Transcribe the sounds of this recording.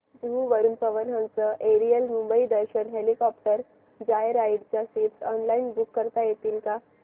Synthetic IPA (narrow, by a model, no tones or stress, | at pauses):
d͡ʑuʋəɾunpəʋənɦə̃nt͡səʔeɾiəlmumbəid̪əɾɕənɦelikɔpʈəɾ | d͡ʑajɾaiɖt͡ɕjasiʈsɔnlainbukːəɾt̪ajet̪iːlka